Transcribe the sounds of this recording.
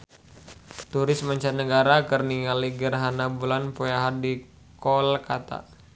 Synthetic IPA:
t̪uɾɪsmaɲt͡ʃat̪nəɡaɾakərniŋaliɡərɦanabulanpojaɦadi | kɔlkat̪a̰

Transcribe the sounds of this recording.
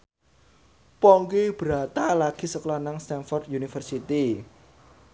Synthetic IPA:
pɔŋkib̥ɾa̤t̪alaɡ̥i̤səklɔnaŋst̪ɛnfɔrd̪junifərsit̪i

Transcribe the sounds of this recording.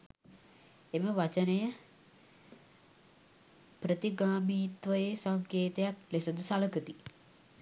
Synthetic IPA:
eməʋat͡ʃənəjə | pɾət̪iɡaːmiːt̪ʋəjesaŋkeːt̪ejaklesəd̪əsaləkət̪i

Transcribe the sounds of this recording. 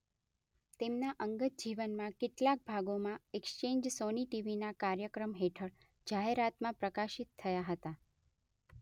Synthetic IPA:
t̪emnaʔəŋɡət̪̚d͡ʒiʋənmãkɪʈlak̚bʱaɡomãekst͡ʃeɲd͡ʒsoniʈiʋinakaɾjəkɾəmɦeʈʰəɭ | d͡ʒaɦeɾat̪mãpɾəkaʃit̪ʰːəjaɦət̪a

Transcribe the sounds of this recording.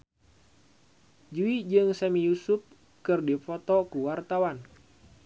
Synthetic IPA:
d͡ʒuid͡ʒɨŋsamijusup̚ | kɨrdifɔt̪ɔkuwart̪awan

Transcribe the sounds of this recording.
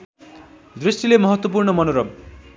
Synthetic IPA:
d̪risʈilemʌɦʌt̪wʌp̬urnʌmʌnoɾʌb

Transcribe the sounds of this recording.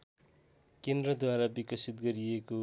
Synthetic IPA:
kend̪rʌd̪waɾabikʌsit̪̚ɡʌɾieko

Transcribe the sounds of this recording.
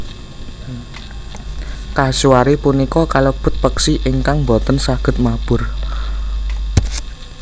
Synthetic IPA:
kasuwaɾepunikɔkalob̥ʊ̤t̪̚pəksiʔiŋkaŋmbo̤t̪ənsaɡ̥ə̤t̪̚mab̥ʊ̤r

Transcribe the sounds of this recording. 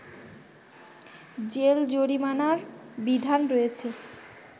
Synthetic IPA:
d͡ʑeld͡ʑoɾimanaɾbid̪ʱanɾojet͡ɕʰe

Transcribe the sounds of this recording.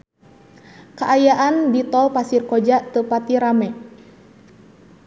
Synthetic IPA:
kaʔajaʔandit̪ɔpasirkɔd͡ʒat̪əpat̪iɾamɛ

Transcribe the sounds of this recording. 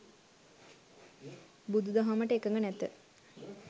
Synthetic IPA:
bud̪ud̪aɦaməʈəekəŋɡənɛt̪ːə

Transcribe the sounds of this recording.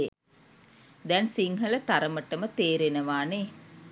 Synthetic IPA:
e | d̪ɛnsiŋɦələt̪aɾəməʈəmət̪eːɾenəʋaːne

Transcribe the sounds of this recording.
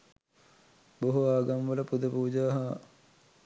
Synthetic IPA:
boɦoaːɡamʋələpud̪əpuːd͡ʒaːɦɐ

